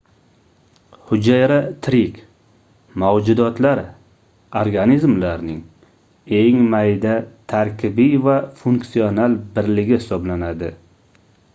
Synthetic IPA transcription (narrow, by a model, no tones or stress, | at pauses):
hʊd͡ʒajɾat̪ʰɾɪkʲ | mawd͡ʒʊd̪ɒt̪laɾ | oɾɡanizmlaɾnɪŋ | eŋmajd̪at̪ʰaɾkʲʰɪbijvafuŋksionalbɪɾlɪɡʲɪhɪsɒblanad̪ɪ̰